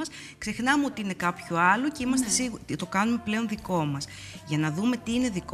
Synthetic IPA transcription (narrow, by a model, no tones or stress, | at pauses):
ɐs | kse̞xnɐmeo̞t̪iine̞kɐpçoɐloce̞imɐs̬t̪esiɣt̪o̞kɐnume̞ple̞o̞nðiko̞mɐs | ʝɐnɐðume̞t̪iine̞ðik